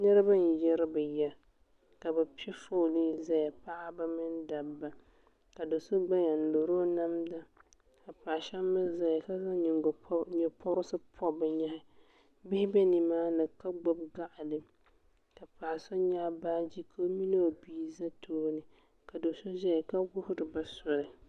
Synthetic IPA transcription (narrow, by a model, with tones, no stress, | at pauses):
nɛ˦ɾa˦ba˦n˨jɛ˦ɾɨ˦bɛ˨jɛ˦ | ka˨ba˨pi˦ɛ˦fo˦˨nɨ˦za˦ja˨pa˦ʔa˦ba˦mɨ˦n˦da˨bba˨ | ka˨do˨so˦ɡ͡ba˦ɲa˨n˨do˨ɾo˦na˦mda˦ | ka˨pa˨ʃa˦mːɨ˦za˨ja˨ka˦za˦ɲɪ˨ŋ˨ɲɛ˨pɔ˦ɾʊ˦sɨ˦pʰɔ˦bɛ˨ɲa˦hɪ˦ | bɪ˦hɪ˦bɛ˦ni˨maː˦nɨ˨ka˦ɡ͡bɔ˦bɡa˦ʔɪ˨lɨ˨ | ka˨pa˨so˦ɲa˦baː˦d͡ʒi˦kʰo˦mi˦no˦˨biː˦za˦tʰoː˦nɨ˨ | ka˨do˨so˦ʒa˦˨ka˦ɡʊ˦hʊ˦ɾɨ˨ba˦sɔ˨ɾɨ˨